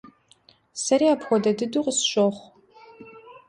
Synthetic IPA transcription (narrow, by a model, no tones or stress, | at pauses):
sɐɾiapʰxʷɔdɐdɨduqʼsʃʷʼoχʷ